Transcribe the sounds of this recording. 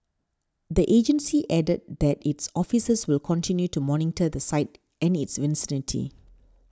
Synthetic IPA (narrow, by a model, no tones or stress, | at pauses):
d̪əʔed͡ʒə̃nsiʔɛdət̚d̪ɛtitsɔfisəswɪlkʰɔ̃ntĩnjutumɔnɪ̃təd̪əsaɪt̚ | ɛ̃nɪtsvɪ̃nsɪnitʰḭ